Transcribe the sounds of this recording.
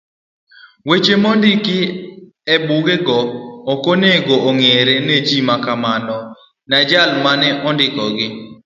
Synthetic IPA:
wet͡ʃemondɪkɪ | ebuɡeɡɔːkoneɡooŋeɾened͡ʒimakamanɔ | nad͡ʒalmanɛʔɔndɪkɔɡɪ

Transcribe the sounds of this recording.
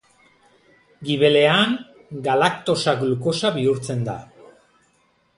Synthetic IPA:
ɡiβe̞le̞aŋ | ɡalakt̪o̞sakluko̞saβiuɾt͡se̞nd̪a̰

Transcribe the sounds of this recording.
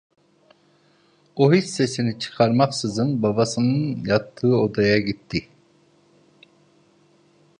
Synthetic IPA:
oɦisːesinɪt͡ʃʰɨ̥qʰɑɾmɑqsɪzɨŋbɑbɑsɨŋŋjɑt̪ːɯod̪ɑjɑɡʲit̪ʰːɪ

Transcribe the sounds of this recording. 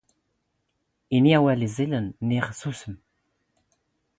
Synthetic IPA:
iniawælizilənːiʁəsusəm

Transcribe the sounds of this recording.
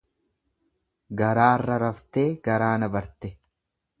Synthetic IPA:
ɡɐɾaːrːɐɾɐft̪e̞ːɡ̥ɐɾaːnɐbɐɾt̪ɛ

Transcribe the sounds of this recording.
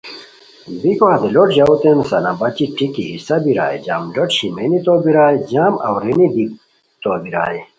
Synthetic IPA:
bikoɦɐd̪eloʈʑaut̪ensɐnabɐt͡ɕiʈikiɦisɐbiɾa̰ːjd͡ʑaːmɖoʈɕimenit̪obiɾaːjd͡ʑaːmɐ̰wɾenid̪ik | t̪obiɾa̰ːi

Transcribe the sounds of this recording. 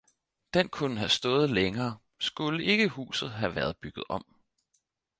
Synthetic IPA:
d̥enkʰunəɦæsd̥ɔ̽ːð̞̩ˠleŋɐː | sɡ̥uləe̝ɡ̥əhṵːsð̞̩ˠɦæʋæɐð̞ˠb̥yɡ̥ð̞̩ˠɒ̽m̰

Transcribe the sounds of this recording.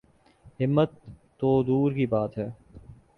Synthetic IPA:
ɦɪmːət̪ː | oːd̪uːɾkibaːt̪ɦɛː

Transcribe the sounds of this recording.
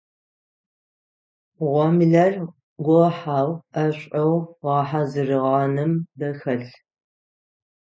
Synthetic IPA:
ʁʷɔmɮɐr | ɡʷʊħaːwɐɕʷʼɐwʁɑħazɨrɨʁɐnɨmbɐxɐɬ

